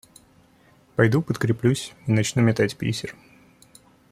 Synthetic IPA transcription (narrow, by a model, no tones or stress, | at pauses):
pɐjd̪upət̪kɾʲɪplʲusʲinɐt͡ɕnumʲɪt̪atʲpʲḛsʲɪr